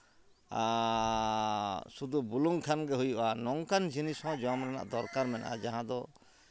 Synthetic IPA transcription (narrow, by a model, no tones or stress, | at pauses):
a | sud̪ubuluŋkʰanɡɛɦujuʔanɔŋkand͡ʒʱinisɔ̃d͡ʒɔamɾɛna̰ʔd̪ɔɾkaɾmɛnʔa̰d͡ʒaɦãd̪ɔ